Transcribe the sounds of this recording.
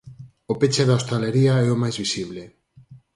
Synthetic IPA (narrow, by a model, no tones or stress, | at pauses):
opet͡ʃeðaost̪aleɾiaɛomajzβisiβ̞le